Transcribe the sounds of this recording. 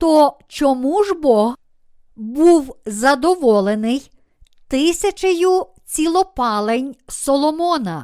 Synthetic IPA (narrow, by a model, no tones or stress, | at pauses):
t̪ɔt͡ʃɔmuʒbɔɦ | buwzɐd̪ɔʋɔlˠenɪj | t̪ɪsʲɐt͡ʃɐjʊ | t͡sʲilˠɔpɑlˠenʲsɔlˠɔmɔnɐ